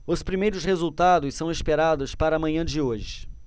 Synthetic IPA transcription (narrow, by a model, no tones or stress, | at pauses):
ʊspɾimejɾʊsχezuwt̪ad̪ʊssɐ̃w̃espeɾad̪ʊspaɾɐːmɐ̃ɲɐ̃d͡ʒɪoʒɪ